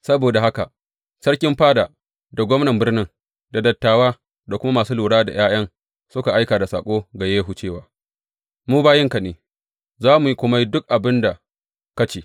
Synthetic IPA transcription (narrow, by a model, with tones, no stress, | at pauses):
sɐ˦boː˨da˨ɦa˦ka˨ | sɐ˦ɽkʲɪ˦mɸaː˦daː˨ | da˨ɡʷɔ˦mnɐ˨mbɪ˦rnɪ˦ŋ | da˨dɐ˨tːaː˨waː˦ | da˨kʷʊ˦ma˦maː˨suː˦luː˨ɽaː˦da̰˨jaː˦j̰ɐ˦ŋ | sʊ˦ka˨ʔa˦jkaː˨da˨saː˨kʷʼoː˦ɡa˨jeː˦ɦu˨t͡ʃeː˦˨waː˨ | muː˦baː˦jɪ˦ŋka˨neː˨ | zaː˦mu˨ji˦kʷʊ˦ma˦ji˦dʊ˦k̚ʔa˨bɪ˦nda˨ | kɐ˦t͡ʃeː˨